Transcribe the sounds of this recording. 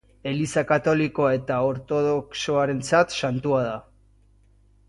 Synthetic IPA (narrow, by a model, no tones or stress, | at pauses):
e̞lisakat̪o̞liko̞e̞t̪ao̞ɾt̪o̞ðo̞kso̞aɾe̞nt͡sat̪sant̪uað̞a